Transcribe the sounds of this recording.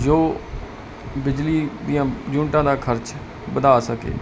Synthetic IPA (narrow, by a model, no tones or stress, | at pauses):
d͡ʒoː | bɪd͡ʒliːd̪ijãːd͡ʒũːɳʈãːd̪aːkʰəɾt͡ʃ | bəd̪aːsəkḛː